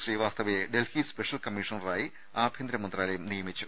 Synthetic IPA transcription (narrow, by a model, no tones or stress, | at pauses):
riːʋaːst̪ɐʋɐjeɖe̞lhispeʂɐlkɐmiːʂɐnɐraːji | aːbʱjend̪ɾɐmɐnd̪raːlɐjumnijɐmit͡ɕːu